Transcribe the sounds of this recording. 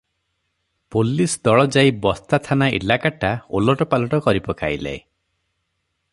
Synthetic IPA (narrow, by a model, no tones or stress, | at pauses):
polisd̪ɔɭɔd͡ʒaibɔst̪at̪ʰanaʔḭlakaʈaolɔʈɔpalɔʈɔkɔɾipɔka̰jla̰j